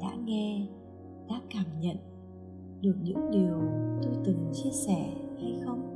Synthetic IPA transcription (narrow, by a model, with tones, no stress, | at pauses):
ɗa̰ː˧˥ŋɛ˧ | ɗa̰ː˧˥kaː˧˩mɲə̰˧˨n | ɗɨ˨˩ək̚ɲɨ̰˧˥ŋɗi˨˩əwt̪o˧jt̪ɨ˨˩ŋt͡ɕi˧əsɛ˧˩ha˧jxə˧wŋ͡m